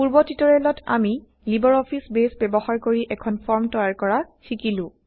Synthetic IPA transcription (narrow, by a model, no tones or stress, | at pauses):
puɹbɔtitɔɹɛlɔtʰa̰mi | libɔɹɔpʰisbesbɛbɔxaɹkoɹiʔɛkʰɔnpʰɔɹmtɔjaɹkɔɹaxikilʊ̃